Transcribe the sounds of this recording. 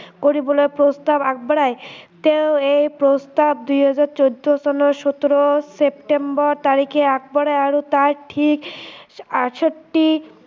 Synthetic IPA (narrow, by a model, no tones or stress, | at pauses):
koɾibolepɾost̪abak̚baɽaet̪ewejpɾost̪ab̚d̪ujɦad͡ʑaɾt͡ɕowd̪osɔnoʃɔt̪oɾosep̚ʈembɔɾt̪aɾikʰeak̚baɽajaɾot̪aɾʈʰik | aʃoʈːi